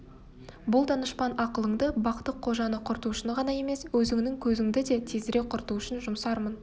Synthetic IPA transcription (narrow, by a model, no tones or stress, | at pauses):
bʊlˠd̪ɑnəʃpɑnɑqəlˠəɴd̪əbɑqt̪ːəqʰːo̞ʒɑnəqʰʊɾt̪uʃənəʁɑnɑje̞me̞swɵzɪŋnɪŋkʲʰɵzɪŋd̪ɪd̪e̞t̪ʰezɪɾe̞qʰʊɾt̪uʏʃənʒʊmsɑɾmən